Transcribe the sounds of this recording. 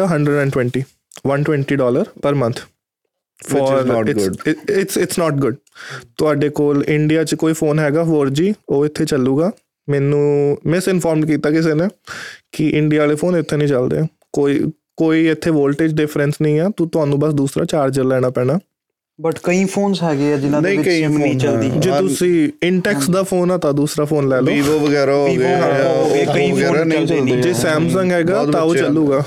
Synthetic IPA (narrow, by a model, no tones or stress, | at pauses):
aɦə̃ɳɖɾəɖɛ̃ːɳɖʈwɛ̃ːɳʈiː | ʋənʈwɛ̃ːɳʈiːɖɔːləɾpəɾmə̃nt̪ʰ | fɔːɾɪɪsɪʈsnɔːʈɡʊɖ̚t̪ʊaːɖeːkoːlɪɳɖijaːt͡ʃkoːiːpʰoːnɦɛːɡaːɦoːɾd͡ʒiːoːɪt̪ʰːeːt͡ʃəlːuːɡaː | mɛːnũːmɪsɪnfʰɔːɾmɖkiːt̪aːkɪs̬eːneːkɪʔɪɳɖijaːleːfʰoːnɪt̪ʰːeːnəĩːt͡ʃəld̪ḛː | koːḭː | koːiːɪt̪ʰːeːʋoːlʈeːd͡ʒɖɪfʰɾənsnəĩːɛːt̪ũt̪ʊɦãːnũːbəsd̪uːsɾa̰ːt͡ʃaːɾd͡ʒəɾlɛːɽ̃aːpɛ̃ːɽ̃aː | bəʈkəiːpʰoːnsɦɛːɡeːɛːd͡ʒɪnãːdnĩːɪkəiĩːt͡ʃəld̪iːd͡ʒeːt̪ʊsĩːɪɳʈɛːksd̪aːpʰoːnaːt̪aːd̪uːsɾaːpʰoːnlɛːloːʋoːʋəɡɛːɾaɦoːiɡaoːɡekəiɛːañt͡ʃld͡ʒeːsɛːmsəŋɡɦɛːɡaːt̪ãːoːt͡ʃəluːɡaː